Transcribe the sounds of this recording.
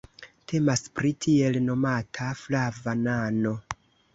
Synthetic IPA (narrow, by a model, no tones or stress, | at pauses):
tʰe̞maspɾitʰie̞lno̞matʰaflavanano̞